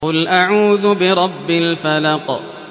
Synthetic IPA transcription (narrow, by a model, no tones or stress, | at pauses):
ʊlʔaʕuːðʊbɪɾˤɑbːɪlfalɑq